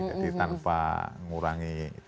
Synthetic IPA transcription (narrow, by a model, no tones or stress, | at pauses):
d̪it̪anpa̰ŋuɾaŋi